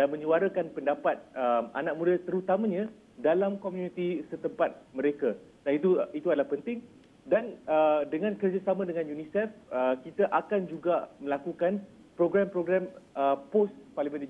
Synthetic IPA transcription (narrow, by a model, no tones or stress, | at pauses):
danmə̃ɲuaɾakanpəndapat̪̚əma̰nak̚mũdat̪əɾut̪amãɲã | dalamkomjunit̪isət̪əmpat̪̚məɾekadanit̪uit̪uadalahpənt̪ɪŋ | danədəŋãnkərd͡ʒasamãdəŋãnjunisɛfəkit̪aʔakand͡ʒuɡamə̃lakukan | pɾoɡɾampɾoɡɾaməposparlimə̃nd